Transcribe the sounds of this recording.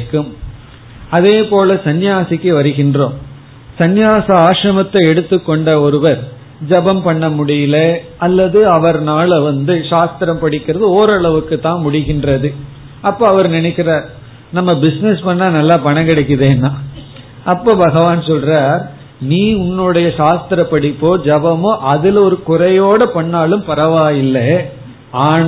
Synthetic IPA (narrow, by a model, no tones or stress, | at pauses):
kːɯm | ɐðeːpoːlɐsɐnjaːsɪkːɯʋɐɾɯɣɪndroːm | sɐnjaːsɐaːʂɾɐmɐt̪ːɐɛɽɯt̪ːɯkːɔɳɖɐɔɾɯʋɐɾ | d͡ʒɐbɐmpɐɳːɐmʊɽɪjɪleɐlːɐðɯɐʋɐɾnaːlɛʋɐnd̪ɯʂaːst̪ɪɾɐmpɐɽɪkːɪɾɐðɯoːɾɐɭɐʋɯkːɯt̪ːãːnmʊɽɪɣɪndrɐðɯ | ɐpːoːɐʋɐɾnɪnɛɪkːɪɾaːɾ | nɐmːɐbɪsnɛspɐɳːaːnɐlːaːpɐɳɐkɪɽɐkːɯðeːnːaː | ʔɐpːoːbɐɣɐʋaːnsɔlraːɾ | niːʊnːɯɽɐjɐʃaːst̪ɪɾɐpːɐɽɪpːoːd͡ʒɐbɐmoːʔɐðɪlɔɾɯkʊɾɐjoːɽɐpɐɳːaːlɯmpɐɾɐʋaːjɪlːɐ | aːn